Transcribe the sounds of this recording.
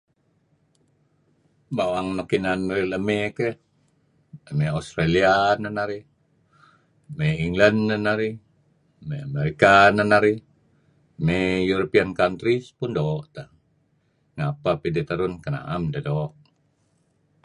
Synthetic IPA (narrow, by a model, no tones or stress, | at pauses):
bawaŋnokinanriləmeke | əmɛast̪ɾalianənaɾi | meiŋɡlanːənaɾi | meameɾikanənaɾi | mɛjuɾopiankant̪ɾispundoːʔt̪a | ŋapapidit̪əɾunkəna̰ʔamdədoːʔ